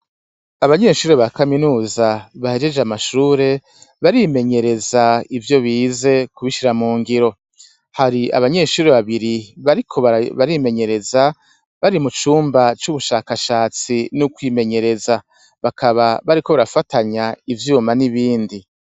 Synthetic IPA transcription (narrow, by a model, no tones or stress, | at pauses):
aβaɲe̞ʃuːɾe̞βakaminuːzaβahe̞d͡ʒe̞d͡ʒeamaʃuːɾe̞ | βaɾime̞ɲe̞ɾe̞zaivjo̞βiːze̞kuβiʃiɾamuːŋɡiɾo̞ | haɾia̰βaɲe̞ːʃuːɾe̞βaβiɾiβaɾikʰo̞βaβaɾime̞ɲe̞ɾeza | βaɾimut͡ʃuːmbat͡ʃuβuʃaːkaʃaːt͡sinukwiːme̞ɲe̞ɾe̞za | βakʰaβaβaɾiko̞βaɾafataɲaivjuːmaniβiːndi